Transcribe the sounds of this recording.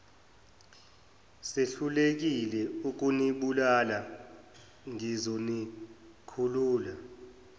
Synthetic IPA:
seɬulek̬ilɛuk̬ʼuniɓulala | ŋizoni | kʰuluːla

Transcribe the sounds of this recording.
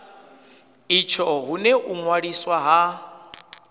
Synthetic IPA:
it͡ʃʰɔɦuneʔuŋwaɺiswaɦa

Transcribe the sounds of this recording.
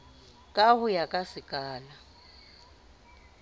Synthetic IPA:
kʼahʊjakʼasɪkʼaːla

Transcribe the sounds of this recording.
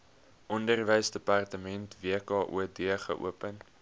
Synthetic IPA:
ʔɔndərvəjsdəpɑrtəmɛntviəkɑːʔṵədiəχə̰ʔṵəpən

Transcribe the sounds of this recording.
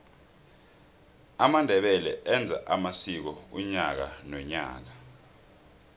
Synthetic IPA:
amandʱɛɓɛlɛɛnd͡zʱa̰ʔamasik̬ɔuɲak̬anwɛɲa̰ːk̬a

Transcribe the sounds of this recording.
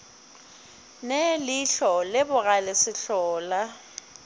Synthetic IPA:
nelɪɬɔlɪbʊɣalɪsɪɬɔːla

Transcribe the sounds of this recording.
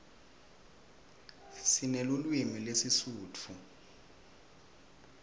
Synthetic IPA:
sinelulwimilesisuːt͡fʰu

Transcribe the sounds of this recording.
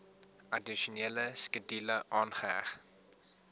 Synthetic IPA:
ɐdiʃuneːləskədiləʔɑːnχəæ̰χ

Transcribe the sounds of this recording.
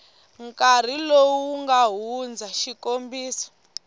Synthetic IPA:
ŋkar̤ilowuŋɡaɦund͡zaʃikombiːsɔ̥

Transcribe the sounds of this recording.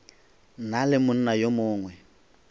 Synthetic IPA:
nalɪmʊn̩najomʊːŋwɛ

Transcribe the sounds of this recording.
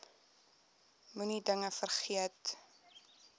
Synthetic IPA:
munidəŋəfərχiət

